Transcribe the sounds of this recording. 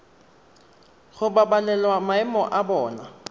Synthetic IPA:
ɣʊbabalɛlwamaɪmɔʔabɔːna

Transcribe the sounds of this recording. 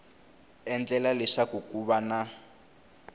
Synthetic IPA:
ɛnd͡ɮɛlalɛʂakukuβana

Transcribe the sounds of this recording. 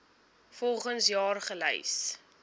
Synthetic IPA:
fɔlˠχənsjɑːrχəlɛ̰js

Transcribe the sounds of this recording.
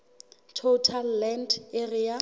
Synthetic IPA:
tʰotʰalːɛnderija

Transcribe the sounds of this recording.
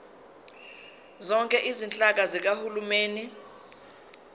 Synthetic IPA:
zɔŋkʼɛʔizint͡ɬʼak̬azik̬ahulumeːni

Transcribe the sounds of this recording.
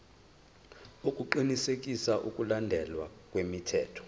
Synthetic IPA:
ukʼuǃinisek̬ʼisaʔṵkʼulandʱɛlwak̬ʼwemitʰɛːtʰɔ̥

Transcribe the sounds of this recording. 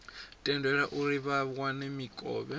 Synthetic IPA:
tʼɛndɛɺaʔuɾiβaβwanɛmikʼɔ̰ːβɛ

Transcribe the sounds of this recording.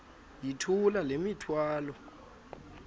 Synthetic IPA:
jitʰulalemitʰwaːlɔ

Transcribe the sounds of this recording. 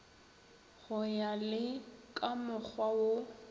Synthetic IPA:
ɣʊjalɪkʼamʊk͡xʰwawo

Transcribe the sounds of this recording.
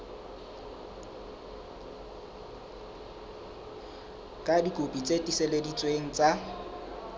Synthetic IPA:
kʼadikʼopʼit͡sʼetʼiseledit͡sʼweŋ̩t͡sʼa

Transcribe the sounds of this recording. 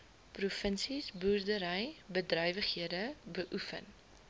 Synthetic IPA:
prufənsisbuːrdəɾəjbədrœjvəχhiədəbəʔufə̰n

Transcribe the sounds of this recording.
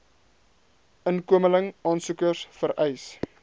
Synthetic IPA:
ʔənkuəmələŋɑːnsukərsfəɾʔɛjs

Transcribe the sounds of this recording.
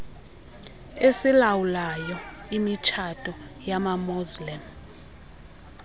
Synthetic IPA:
esilawulajɔ | imit͡ʃʰatʼɔ | jamamuzlim

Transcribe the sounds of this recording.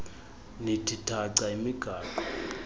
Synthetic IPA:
nitʰitʰaǀaimiɡ̥ʱaːkɔ

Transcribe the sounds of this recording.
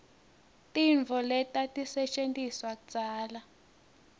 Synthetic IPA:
tʼiɱvʱɔlɛtatʼisɛt͡ʃʼentʼiswaku̥t͡sʼaːla

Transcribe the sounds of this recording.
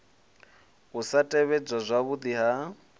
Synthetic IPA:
ɣusatʼɛβɛd͡zazʷaβud̪iɦa

